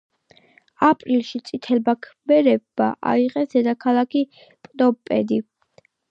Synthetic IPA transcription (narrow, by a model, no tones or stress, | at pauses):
apʼɾilʃit̪sʼit̪ʰɛlbakʰbɛɾɛbːaʔa̰iʁɛsd̪̥ɛd̪akʰalˠakʰi | pʼd̪ɔpʼɛd̪i